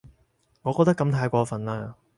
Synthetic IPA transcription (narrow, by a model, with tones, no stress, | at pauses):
ŋɔ˨kɔː˧k̚t̪ɐ˥kɐ˧mt̪ʰaː˧jkʷɔː˧fɐ˨nlaː˥